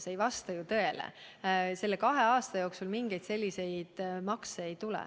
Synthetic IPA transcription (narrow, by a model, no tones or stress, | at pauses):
se̞jvɑst̪ɑjut̪ɤ̞e̞lḛ | se̞lːe̞kɑɦe̞ɑːst̪ɑjo̞ːksulmiŋɡ̥e̞jd̪̥se̞lʲːise̞jd̪̥mɑkseːjt̪ulɛ̰